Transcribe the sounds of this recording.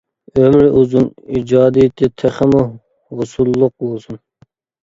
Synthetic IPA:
ømɾɪʔuzunid͡ʒɑːd̪ijt̪ʰɪt̪ʰɛχɪmu | ʁʊsulˠːʊq̚bolˠsun

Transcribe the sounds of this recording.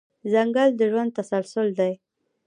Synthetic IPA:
zaŋɡald̪əʒwand̪̚t̪asalsʊld̪aj

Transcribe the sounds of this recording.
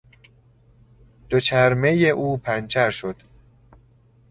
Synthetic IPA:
d̪̥ot͡ʃʰæɾme̞jeʔuːpʰænt͡ʃʰæɾʃo̞d̪̥

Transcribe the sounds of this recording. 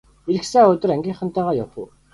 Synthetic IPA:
eɮɘ̆ksæːɵt̪ɵ̆ɾæŋɡʲiːɴχə̆nt̪æːʁaːjapṵ̆ː

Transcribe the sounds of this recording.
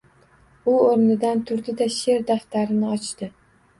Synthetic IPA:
ʊoɾnɪd̪ant̪ʰʊɾd̪ɪd̪aʃe̞ɾd̪aft̪aɾɪnɪɒt͡ʃt̪ɪ

